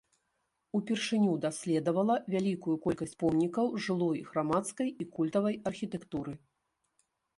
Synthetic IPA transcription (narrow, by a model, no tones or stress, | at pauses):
upʲɛrʂɨnʲud̪asʲlʲɛd̪ɐvɐlˠɐvʲalʲikujukɔlʲkɐsʲt͡sʲpɔmnʲikɐwʐɨlˠɔjɣɾamat̪skɐjikulʲt̪ɐvɐjɐrxʲit̪ɛkt̪uɾɨ